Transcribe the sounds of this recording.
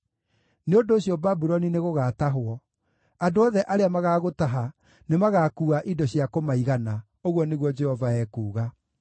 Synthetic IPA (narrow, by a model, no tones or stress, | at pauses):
neondoːɕjɔbabuɾɔnineɣoɣaːtaɦwɔ | adoɔðɛʔaɾeamaɣaːɣotaɦa | nemaɣaːkuːaʔidɔɕjakomaiɣana | oɣwɔneɣwɔd͡ʒɛhɔvaɛːkuːɣa